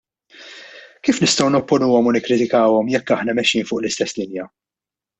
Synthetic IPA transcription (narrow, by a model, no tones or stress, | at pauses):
kiːfnɪst̪ɔwnɔpːɔnuːɔmʊnɪkːɾɪt̪ɪkɐːwɔmjɛkːɐħnɐmɛʃːiːnfʊːʔlɪst̪ɛsːlɪnjɐ